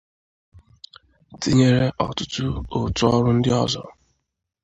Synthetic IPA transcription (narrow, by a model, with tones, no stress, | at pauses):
ti˦ɲe˦ɾe˦ʔɔ̰˨tʊ˦tʊ˦o˨tʊ˦ɔ˦ɾʊ˦n̩˦dɪ˦ɔ˦zɔ̰˨